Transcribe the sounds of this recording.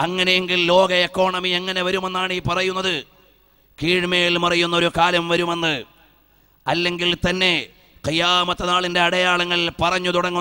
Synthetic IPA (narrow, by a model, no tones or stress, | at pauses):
ɐŋːɐne̞jeŋɡillo̞ːɡɐekːo̞ːɳɐmiɐŋːɐne̞ʋɐɾume̞nːaːɳiːpɐrɐjunːɐðɨ | kiːɻmejilmɐrɐjunːɐo̞ɾukaːlɐmʋɐɾume̞nːɨ | ɐlːe̞ŋɡilt̪ɐnːe̞ | qijaːmɐt̪ːɐnaːɭinde̞ɐɽɐjaːɭɐŋːɐɭpɐrɐɲːut̪uɽɐŋːu